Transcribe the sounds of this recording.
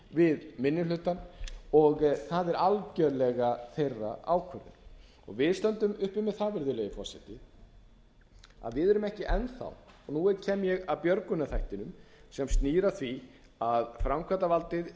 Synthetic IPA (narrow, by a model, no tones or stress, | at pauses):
vɪðmɪnːɪlʏht̪ːanɔɣθaðɛɾalcœɾlɛɣaθejrːa̰ʔaːwkʰœɾðʏ̰ɾ | ɔ̰ɣvɪðst̪œnt̪ʏmʏhpʏmːɛðθaːvɪɾðʏlɛjɪfɔrsɛ̰t̪ɪ | a̰ðvɪðɛɾʏmɛhcɪʔɛnθa̰w | ɔnuɛcʰɛːmjɛɣapjœɾkʏnːaθajht̪ɪnʏmsɛmst̪niːɾaθvi | aðfɾamkʰvat̪avalt̪ɪð